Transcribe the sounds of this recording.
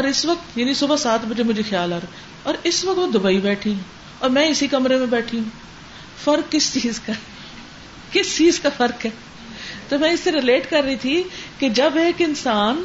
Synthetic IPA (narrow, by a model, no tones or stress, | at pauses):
ɔːɾɪsʋək̚t̪jaːnisʊbasaːt̪ʰbəd͡ʒemʊd͡ʒʱexjaːlɦɐɾ | ɔːɾɪsʋəɐk̚t̪od̪ʊbaːibɛːʈʰĩɦũ | ɔːɾmɛ̃ːɪsikɐmɾemẽbɛːʈʰiũː | fɐɾkːɪst͡ʃiːzka | kɪst͡ʃiːzkafɐɾkɦɛː | t̪oːmɛ̃ːɪsːeɾɪleːʈkɐɾːəit̪ʰiked͡ʒɐbeːkɪnsaːn